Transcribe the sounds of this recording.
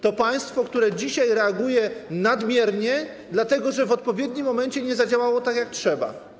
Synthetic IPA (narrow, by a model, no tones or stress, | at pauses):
t̪ɔpaj̃st̪fɔkt̪uɾɛd͡ʑiɕajɾɛaɡujɛnad̪mʲjɛɾɲɛ | d̪lat̪ɛɡɔʐɛvɔt̪̚pɔvʲjɛd̪ɲimːɔmɛɲt͡ɕɛɲɛzad͡ʑawawɔt̪akʲjak̚tʂɛba̰